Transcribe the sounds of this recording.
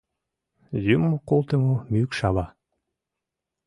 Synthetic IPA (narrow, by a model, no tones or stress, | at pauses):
jymːokolˠt̪əmomykʃɑβɑ